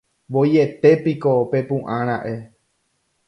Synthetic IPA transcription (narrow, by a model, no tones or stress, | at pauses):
ʋo̞je̞t̪e̞piko̞pe̞pũʔãɾ̃ãʔe̞